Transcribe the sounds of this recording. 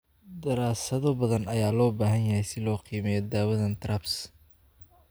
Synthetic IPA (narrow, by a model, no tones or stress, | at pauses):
d̪ɐɾaːsɐðɔbɐðɐnɐjaːlɔːbaːɦɐnjɐhɛjsɪlɔːqiːmɛjɔd̪aːwɐðɐnt̪ɾaːbs